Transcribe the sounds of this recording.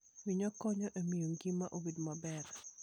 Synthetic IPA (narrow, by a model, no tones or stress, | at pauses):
wiɲɔkɔɲɔʔemijoŋɡimaʔobedmabɛɾ